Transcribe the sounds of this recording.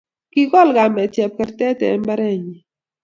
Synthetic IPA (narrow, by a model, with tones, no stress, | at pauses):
ki˦ɡɔ˦˨lɡa˨mɛ˨t͡ʃɛ˨p̚kɛ˨ɾt̪ɛ˦tɛ̰˨ɛ˦mba˦ɾɛ˦˨ɲi˨